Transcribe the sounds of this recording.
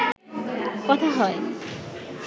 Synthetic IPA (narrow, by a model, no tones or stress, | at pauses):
kɔt̪ʰaɦɔe